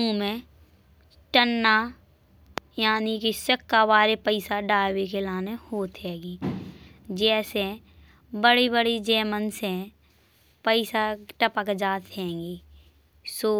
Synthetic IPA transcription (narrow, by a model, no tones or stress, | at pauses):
ũmẽ | ʈənːa | jaːnikisəkːaʋaːɾepəɪsaɖaːwekelaːnehoːt̪ɦɛːɡiː | d͡ʒɛːsɛ̃ | bəɽibəɽid͡ʒɛːmənsɦɛ̃ | pəɪsaʈəpaked͡ʒaːt̪ɦɛ̃ːŋɡiː | soː